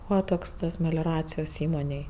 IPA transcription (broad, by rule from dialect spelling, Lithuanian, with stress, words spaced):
ˈbuːʋɐ toːks tɐs mʲɛlʲoːˈrɑːt͡sʲɪjoːs ˈiːmoːnʲeːj